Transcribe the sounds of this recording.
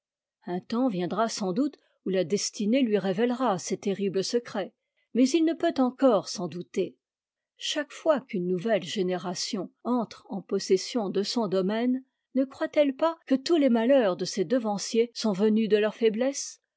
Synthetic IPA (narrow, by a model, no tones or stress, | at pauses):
ɛ̃t̪ɑ̃vjɛ̃d̪ʁasɑ̃d̪ut̪ | ulad̪ɛst̪inelɥiʁevɛlʁasɛt̪eʁibləsəkχɛ | mɛzilnəpøt̪ɑ̃kɔʁsɑ̃d̪ut̪e | ʃakfwakynːuvɛlʒeneʁasjɔ̃ɑ̃t̪χɑ̃pɔsɛsjɔ̃d̪əsɔ̃d̪ɔmɛnː | əkχwat̪ɛlpakət̪ulemalœʁd̪əsed̪əvɑ̃sjesɔ̃vənyd̪əlœʁfɛblɛs